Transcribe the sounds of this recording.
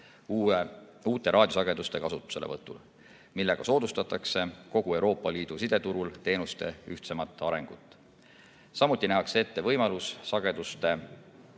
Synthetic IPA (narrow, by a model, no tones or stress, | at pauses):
uːt̪ːˑe̞ɾɑːd̥̪ʲjosɑɡ̥e̞d̪̥ust̪e̞kɑsut̪ːˑu̥se̞levɤt̪ːˑul | milːe̞ɡ̥ɑso̞ːd̪ust̪ɑt̪ːˑɑkse̞ko̞ɡ̥ue̞wɾo̞ːpːˑɑliːd̪̥usid̪̥e̞t̪uɾult̪e̞ːnust̪e̞̰yht̪se̞mɑt̪ːˑɑɾe̞ŋɡ̥ut̪ˑː | sɑmut̪ʲˑːinæɦɑksee̞t̪ːe̞vɤjmɑlusːɑɡ̥e̞d̪ust̪e̞